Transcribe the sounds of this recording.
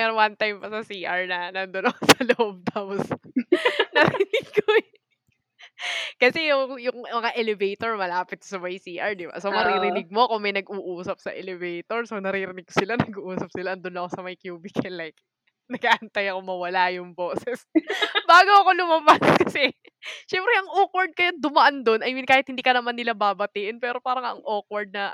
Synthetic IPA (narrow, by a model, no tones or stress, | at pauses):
mɛɾoŋwɐnt̪ajmpɐsɐsiːʔɐɹnɐnɐnd̪onɐkosɐlohob̚t̪aːpos | nɐɾɪnɪɡ̚ko | kɐsɛjʊŋjʊŋmɐŋaʔɛlɛvejt̪oɹmɐlaːpɪt̪̚sɐmɐjsiːʔɐɹd̪ɪba̰somɐɾiɾɪnɪɡ̚mo̞kʊŋmɐjnɐɡuːʔuːsɐp̚sɐ̰ʔɛlɛvejt̪oɹsonɐɾiːɾɪnɪɡ̚kosɪlanɐɡuʔuːsɐp̚sɪlaʔɐnd̪onɐko̞sɐmɐjkjuːbɪkʰɛlɛk̚ | nɐɡaːʔɐnt̪ɐjɐko̞mɐwɐlajʊŋboːsɛsbaːɡoɐko̞lʊmɐbaskɐsɛ | ʃɛmpɾɛʔɐŋʔoːkwɐɹd̪̚kɐjond̪ʊmɐʔand̪o̞nɐjɪkaːhɪt̪hɪnd̪iːkɐnɐmanːɪlabaːbɐt̪iːʔɪnpɛːɾo̞paːɾɐŋɐɐ̰ŋʔokwɐɹd̪̚nɐ